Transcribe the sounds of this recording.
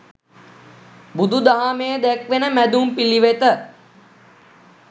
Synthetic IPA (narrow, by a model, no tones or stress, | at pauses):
bud̪ud̪aɦamejəd̪ɛkʋenəmæd̪umpiliʋet̪ə